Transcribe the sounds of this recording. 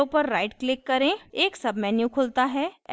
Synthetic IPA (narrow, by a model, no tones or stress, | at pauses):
upəɾːaɪʈklɪkːɐɾẽeːksɐbmɛːnjukʰʊːlt̪aɦɛː